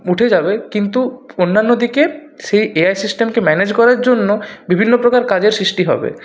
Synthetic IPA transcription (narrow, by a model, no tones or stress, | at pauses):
uʈʰed͡ʑabekint̪uonːanːod̪ikeʃejeajsisʈemkemɛned͡ʑkɔɾaɾd͡ʑonːobibʱinːopɾokaɾkad͡ʑeɾsɾiʃʈiɦɔ̰bḛ